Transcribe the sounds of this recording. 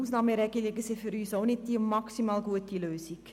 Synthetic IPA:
uːsnɑːməɾɛɡəleɡəsefyɾyːsoʊnɪt̚d̥imɑksimɑːlɡuətiløːsik

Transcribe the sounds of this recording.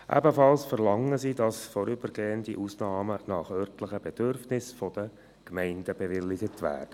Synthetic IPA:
ʔæ̰bəfɑlsfəɾlɑŋːəsidɑsfɔɾʏbəɾɡeːəndiʔusnɑːmənɑχœrtləχəb̥ɛd̥ørfnɪsfɔd̥ə | kmɛɪndəbɛʋɪlːɪɡ̥ətʋæ̰ːd̥ə

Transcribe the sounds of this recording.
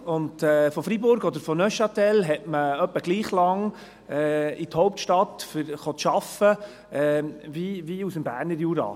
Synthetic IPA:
ʊndɛfɔfɾibʊɾɡɔd̪əɾfɔnœʃɑt̪ɛlɦɛtməœpːəɡ̥liːχlɑŋ | ɛit̪hɔʊp̚t̪ʃtɑt̪fəɾχɔt̪ʃɑfə | ɛviviusəmbæːɾnəɾjuːɾɑ̰ː

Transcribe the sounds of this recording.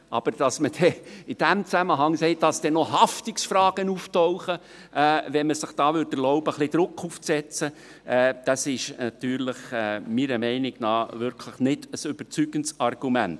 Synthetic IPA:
ʔɑ̰b̥əɾd̥ɑsməd̥ɛɪd̥æmt͡sæməɦɑŋsɛɪt̚dɑsd̥ɛnɔɦɑft̪ɪksfɾɑːɡ̥ənuːftɔʊχə | ɛːvɛnməsɪχd̥ɑːʋʏɾdəlɔʊbəχlɪd̪̥ɾʊkʰːuːft͡sɛt͡sə | ɛːd̥ɑsɪʃnɑt̪yːɾləχɛːmiɾəmɛɪnɪɡ̥nɑːʋʏɾkʰləχnɪd̥əsʏb̥əɾt͡syɡənsɑrɡ̥umænt

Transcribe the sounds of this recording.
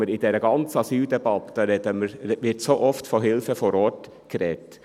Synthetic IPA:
əɾid̥ɛɾəɡɑnt͡sɑsyːldɛbɑt̪əɾɛd̪əməɾʋɪɾtsoːʔɔftfoɦɪlfəfɔɾɔt | ɡ̥ɾɛt

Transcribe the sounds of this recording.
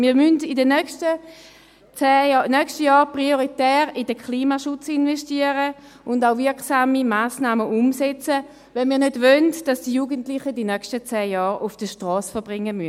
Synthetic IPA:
miːɐmyndidənœkʃtə | t͡sɛːnœkʃtəjɔːʁpʁioʁitɛːʁidəkχliːmaʃut͡sinvɛʃtiəʁə | ʊndaʊvɪɐksaːmimaːsnaːməʔumsɛt͡sə | vɛnmiːɐnødvøndd̥ɑsd̥ijuɡəntlɪχədinœkʃtət͡sɛːjɔːʁufd̥əʃtʁɔːsfəɐb̥ʁɪŋːəmyən

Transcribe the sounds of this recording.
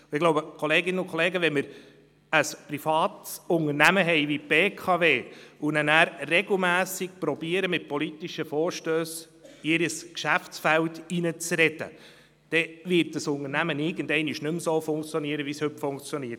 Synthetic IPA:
ɪɡ̥loʊbəkʰɔleːɡɪnəʊnkʰɔleːɡəʋɛnmɪɾ | əsprifɑːtsʊŋəɾnæməɦɛɪʋibeːkʰɑveːʊnɛnæːɾrɛɡl̩mæːsik̚pɾɔbiəɾəmɪt̚pɔlit̪ːiʃəfɔːɾʃtøːs | ɪɾəskʃæft͡sfæltinət͡sɾɛdə̰ | d̪̥ɛvɪɾt̚d̥əsʊnəɾnæmənɪɡəndɛɪnɪʃnʏmsoːfʊŋkt͡sjɔniəɾəʋishɵpfʊŋkt͡sjɔniːət

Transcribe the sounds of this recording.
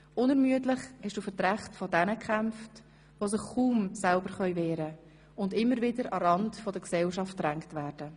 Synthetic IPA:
ʊnɛɾmyətlɪχhɛʃd̥uːfətɾæχtfɔdɛnəkχæmft | ʋosɪχkuːmsælbəɾχœʏvɛːɾə | ʊndɪmːəɾvɪdəɾɑɾɑndfɔdəksɛlʃɑftɾæŋktvæːɾd̥ə

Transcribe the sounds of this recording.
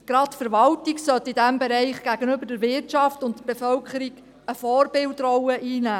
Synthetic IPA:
ɡ̥ɾɑtfəɾʋɑltiɡsœtːɪdæmbeɾɛɪχɡ̥æɡənʏbəɾdəɾvɪrtt͡ʃɑftʊntəb̥efœlkχəɾiɡ | əfɔːrbɪltrɔwəʔiːnæː

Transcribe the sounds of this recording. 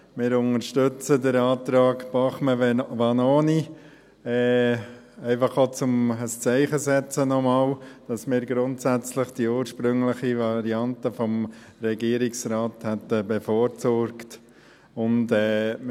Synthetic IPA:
mɪːɾʊnəɾʃtʏt͡sədəɾɑːt̪ɾɑːɡb̥ɑχməʋɑnoːni | ɛː | ɛɪfɑχot͡sʊməst͡sɛɪχəsɛt͡sənɔmɑːld̥ɑsmɪːɾɡɾʊntsæt͡slɪχd̥iuːɾʃpɾʏŋləχivɑɾiɑntəfɔm | ɾɛɡiəɾɪksɾaːthɛtəbɛfɔːɾt͡sɔɾkt | ʊndɛː

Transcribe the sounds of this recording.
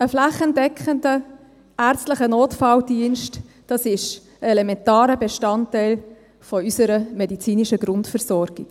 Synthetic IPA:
əflæχəndɛkχəndə | æːɾt͡stləχənoːtfɑldiənʃt | d̥ɑsɪʃ | ɛlɛmɛntaːɾəbeʃtɑntɛɪl | fɔysəɾəmɛdit͡siːniʃəɡɾʊntfəɾsɔɾɡ̥iɡ̥

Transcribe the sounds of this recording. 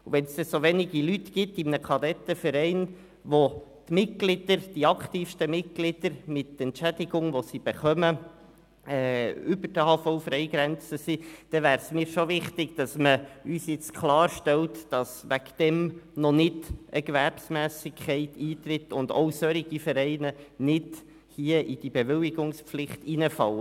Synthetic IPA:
uʋɛnsd̥̪ɛsoʋɛnɪɡilytɡ̥ɪtɪmnəkʰɑdɛt̪ːəfəɾɛɪn | ʋotmɪt̚ɡ̥lɪd̥̪əɾd̥iɑkt̪iːfʃtəmɪt̚ɡ̥lɪd̥əɾmɪt̪ːɛntt͡ʃæd̥̪ɪɡʊŋʋosib̥ɛχœmə | ɛʏbəd̥əhɑːfɔʊfɾɛɪɡ̥ɾɛnt͡səsid̥ɛvæːɾsmiːɾʃoʋɪχtɪɡd̥ɑsməyːsjɪt͡skʰlɑːɾʃtɛltd̥ɑsʋækd̪̥ɛmnɔnɪdʔəɡʋæɾpsmæːsɪkχɛɪtʰiːt̪ɾɪtːʊnd̪o̰ʊsœɾiɡ̥ifəɾɛɪnənɪd̥ | hiːəʔid̥ibeʋɪlɪɡʊŋspflɪχtinəfɑ̰lə

